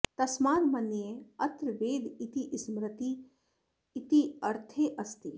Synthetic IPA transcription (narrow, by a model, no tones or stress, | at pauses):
t̪ɐsmaːnmɐnjeɐt̪ɾʋeːd̪it̪iʔsmɾɪt̪iː | t̪iɐɾt̪ʰeːʔɐst̪i